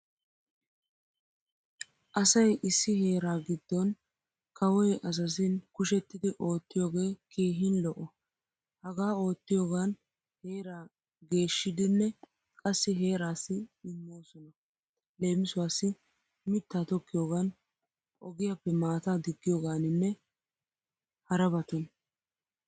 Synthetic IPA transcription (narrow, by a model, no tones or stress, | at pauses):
ʔɐsɐjʔɪsːɪhe̞ːɾaːɡɪd̪ːɔn | kɐwɔjʔɐs̬ɐs̬ɪnkʊʃɛt̪ːɪd̪ɪʔo̞ːt̪ːɪjo̞ːɡe̞ːkiːɦɪnlɔʔɔ | hɐɡaːo̞ːt̪ːɪjoːɡan | he̞ːɾaː | ɡe̞ːʃːɪd̪ɪnːɛ | kʼɐsːɪɦe̞ːɾaːsːɪːmːo̞ːsɔnɐ | le̞ːmɪsʊwaːsːɪ | mɪt̪ːaːt̪ɔkːɪjoːɡɐn | ʔɔɡɪjapːɛmaːt̪aːd̪ɪɡːɪjoːɡaːnɪnːɛ | hɐɾɐbɐt̪ɔn